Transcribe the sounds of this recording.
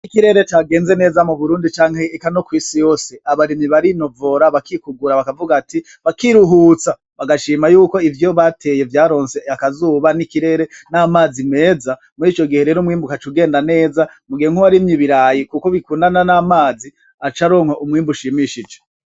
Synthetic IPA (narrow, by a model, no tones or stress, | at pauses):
nikiɾe̞ɾe̞t͡ʃaɡe̞ːnze̞ne̞ːzamuβuɾuːndit͡ʃaːŋhe̞ːkano̞kwiːsijo̞ːseaβaɾimiβaɾino̞vo̞ɾaβakikuɡuɾaβakavuɡati | βakiɾuɦuːt͡sa | βaɡaʃiːmajuːko̞ivjo̞βatʰe̞je̞vjaːɾo̞ːnse̞akazuːβanikiɾe̞ɾe̞naːmaːzime̞ːza | muɾiːt͡ʃo̞ɡihe̞ɾe̞ːɾomŋiːmbukat͡ʃuɡe̞ːndane̞ːza | muɡiheŋ̥uwaɾimɲiβiɾaːjikuko̞βikuːndananamaːzi | at͡ʃaɾo̞ːŋhoʔumŋiːmbuʃimiʃid͡ʒe